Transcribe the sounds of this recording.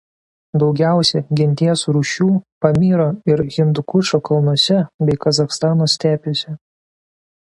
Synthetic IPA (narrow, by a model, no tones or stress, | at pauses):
d̪ɒʊɡʲæˑʊsʲɛɡʲɪnʲt̪ʲiɛsɾuːʃʲuːpɐmʲiːɾoːɪɾɣʲɪnd̪ʊkʊt͡ʃoːkɐlˠnuɔsʲɛbʲɛɪkɐzɐxst̪ɑːnoːsʲt̪ʲæːpʲʊsʲɪ